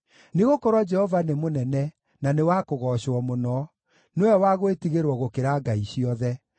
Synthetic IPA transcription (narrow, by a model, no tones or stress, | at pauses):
neɣokɔɾwɔd͡ʒɛhɔvanemonɛnɛ | nanewakoɣɔɕwɔmonɔ | newɛwaɣoetiɣeɾwɔɣokeɾaːɡaiɕiɔðɛ